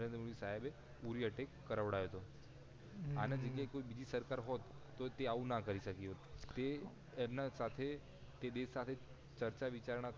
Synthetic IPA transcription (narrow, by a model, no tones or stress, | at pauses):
ɾend̪əmud̪isaɦebe | uɾiəʈekːəɾəʋɽajot̪o | anəd͡ʑikekoibid͡ʒiːsəɾkaɾɦot̪ː | ot̪eaunakəɾisəkiːɦot̪ːe | emnasat̪ʰe | t̪ed̪esat̪ʰe | t͡ɕəɾt͡ɕaʋit͡ɕaɾɳ̃a